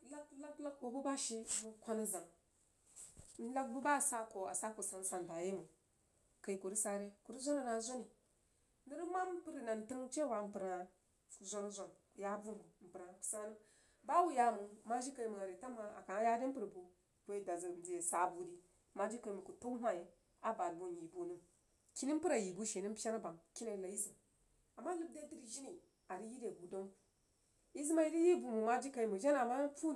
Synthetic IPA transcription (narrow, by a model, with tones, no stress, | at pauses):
la˦la˦kla˦k̚bo˨bu˦ba˦ʃe˦mu˨kʷa˦na˦za˨ŋ | n˦la˦k̚bu˦ba˦˨sa˦ko˨a̰˨sa˦ko˨sa˨n˦sa˨n˨da˨je˦mu˨ | ka˨i˨ku˨ɾi˦sa˦ɾe˦ku˨ɾi˦zʷo˦ni˨na˨˦zʷo˦ni˨ | ni˦ɾi˦ma˦m˦pi˦ɾi˨na˨n˨tə˦ŋ˦t͡ʃe˦wa˨m̩˨pu˨ɾa˨ | zʷa˦n˦zʷa˨n˨ja˦bu˦m˨bu˨m̩˨pi˨ɾa˨ku̥˨sa˦nu˦ | ba˦wu˦ja˦mu˨ma˦ʒi˦ka˨i˦mu˨a˨ɾe˨ta˦ma˨a̰˨ka˨˦ja˦di˦m̩˦pɨ˨ɾbu˨ | kʷe˦da˨za˨d͡zi˨je˨sa˨bu˨di˦ | ma˦d͡ʒi˦ka˨i˨mu˨ku˨to˦ɦa˦je˨ | a˦ba˨lu˦˨n˨ji˨bu˦nu˦ | ki˦ni˦m˦pɨ˦ɾa˨ji˨bu˦ʃe˨ni˦m˦pʲa˦na˦ba˨ŋki˦na˨la˨ji˦zi˨ | a˨mːa˦lu˦b̚da˦di˦ɾʒi˦ni˨ | a˨ɾi˦ji˦de˨ɡu˨do˦m | i˦zi˦ma˦i˦di˦ji˦bu˨mu˨ma˦d͡ʒi˦ka˨i˦mu˨ʒa˦na˨ma˦fu˦